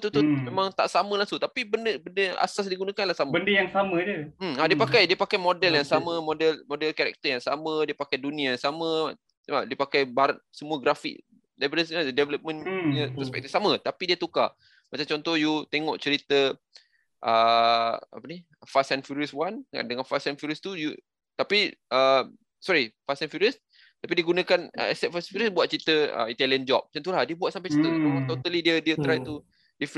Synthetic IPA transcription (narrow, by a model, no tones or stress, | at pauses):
t̪ut̪umemãŋt̪a̰ʔsaməlaŋsʊʔt̪apibəndəbəndəa̰sas̬diɡunakanlahsambəndəjaŋsamə̃d͡ʒəm̩adiəpakajdiəpakajmodɛljaŋsamə̃modɛlmodɛlkaɾɛ̰k̚t̪əjaŋsamə̃diəpakajdunĩajaŋsamə̃ | adiəpakajbaɾat̪səmuəɡɾafḭk̚ | labɾasadɛvələp̚mə̃nɲə̃pəspɛ̰k̚t̪ifsamət̪apidiət̪uka | mat͡ʃamt͡ʃɔnt̪ɔhjut̪eŋɔʔt͡ʃəɾit̪ə | ʔə | a̰pəni | fasanfiɾiəswana̰dəŋanfasanfuɾiəst̪uju | t̪apiʔə | sɔɾifasanfuɾiəs | t̪apidiəɡunə̃kanə̰ɛsɛt̚fasnfiɾiəsbuat̪̚t͡ʃəɾit̪əə̰it̪aliənd͡ʒɔp̚t͡ʃənt̪ulahdiəbuat̪̚sampajt͡ʃət̪əoat̪ot̪alidiədiət̪ɾajt̪u | dif